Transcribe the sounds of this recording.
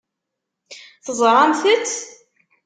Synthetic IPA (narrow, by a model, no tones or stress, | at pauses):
θəzˤɾˤɑnθət͡sː